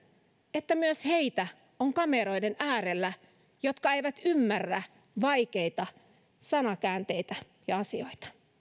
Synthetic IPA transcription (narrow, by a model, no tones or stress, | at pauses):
et̪ːæmyøsheit̪æ | oŋkɑmeɾo̞idenʔæːɾelːæ | jot̪kɑeiʋæt̪ymːærːæ | ʋɑikeit̪ɑ | sɑnɑkæːnt̪e̞ijt̪æ | jɑɑsio̞it̪ɑ̥